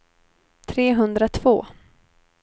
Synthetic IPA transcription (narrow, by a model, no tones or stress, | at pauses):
t̪ʰɾeːɦɵnd̪ɾat̪ʰv̥oː